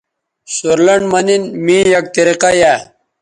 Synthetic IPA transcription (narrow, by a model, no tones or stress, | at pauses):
suɾlɐɳmɐninmĩːjɐk̚t̪iɾiqaja